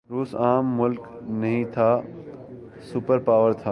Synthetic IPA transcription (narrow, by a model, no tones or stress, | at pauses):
ɾuːsaːmːʊlk | nɐɦĩt̪ʰa | sʊpəɾpaːʋəɾt̪ʰaː